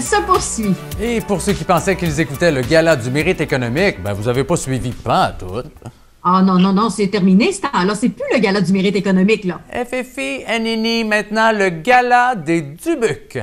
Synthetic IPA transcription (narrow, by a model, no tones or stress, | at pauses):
səpuʁsɥiepuʁsøkʲipɑ̃sɛkilzekut̪ɛləɡʲalad̪ymeʁit̪ekɔnɔmik̚bɛ̰̃vuzavepɔsɥivipãa̰t̪ʊ̰t̪̚ | anɔ̃nɔ̃nɔ̃sɛt̪ɛʁminest̪ãalɔːʁsɛpyləɡʲalad̪ymeʁit̪ekɔnɔmɪklʌɛ̰fɛfeɛninimɛ̃t̪nɑ̃ləɡʲalad̪ed̪ybyk